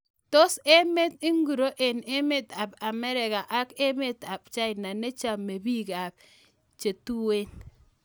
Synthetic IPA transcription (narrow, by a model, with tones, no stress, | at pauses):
to˦se˦me˦t̪i˦ŋɡu˨ɾo˦ʔe˨ne˦me˦t̪a˨pa˨mɛ˦ɾɪ˨ka˨ʔa˦ke˦me˦t̪a˨b̚t͡ʃa˦ɪ˨na˨ne˦t͡ʃa˦me˨bi˦ɡa˨b̚ | t͡ʃe˨tu˦we˦n